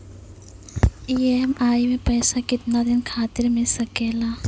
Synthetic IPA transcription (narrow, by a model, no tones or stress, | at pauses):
iːemaːimẽpəːsakɪt̪nad̪ɪnkʰaːt̪ɪɾmẽsəkeːlaː